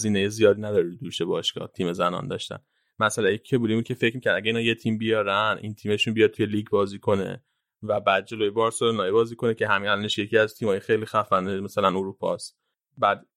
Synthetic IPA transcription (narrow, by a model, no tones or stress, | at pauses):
ziːnejezijɒːd̪iːnæd̪ɒɾed̪ud̪uːʃebɒːʃkɒ̰ːt̪ʰiːme̞zænɒ̰nd̪ɒ̰ʃt̪æ̰n | mæsælæjecʰe̞bulibud̪̚cʰe̞fe̞cʰmicʰæɾd̪æɡɟæiːnhɒːje̞t̪ʰiːmbijɒːɾænʔḭnt̪ʰiːme̞ʃunbijɒd̪̚t̪ʰuje̞liːɡbɒːziːkʰo̞nḛ | væbæːd̪̚d͡ʒe̞loːjebɒːɾsoɾenɒːjebɒːziːkʰo̞necʰeɦæmiælɒneʃje̞cʰiæzt̪ʰiːmhɒːjexejliːxæfænemæsælænoɾuːpʰɒ̰ːst̪ | bæːd̪